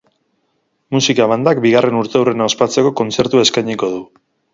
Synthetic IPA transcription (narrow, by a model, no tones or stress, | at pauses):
musikaβand̪akbiɣarʔe̞nuɾt̪e̞wrenaospat͡se̞ko̞ko̞nt͡se̞ɾt̪ue̞skajɲiko̞ð̞u